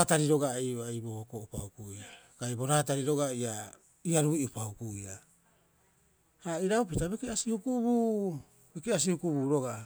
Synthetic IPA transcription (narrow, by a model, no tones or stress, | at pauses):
taɾiɾo̞ɡaejoejbookoʔupaukujakajbo̞ɾaːtaɾiɾo̞ɡaia | iaɾuiupaukuia | aiɾaupitabekeasihukubuː | bekeas̬ihukubuːɾo̞ɡa